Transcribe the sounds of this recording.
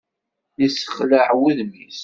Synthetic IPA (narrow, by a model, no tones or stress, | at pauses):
isə̥χləʕwiðmis